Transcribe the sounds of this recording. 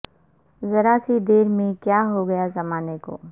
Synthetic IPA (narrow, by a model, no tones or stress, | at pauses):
zɐɾaːsid̪eːɾmẽkjaːɦoɡɐjazɐmaːneko̰ː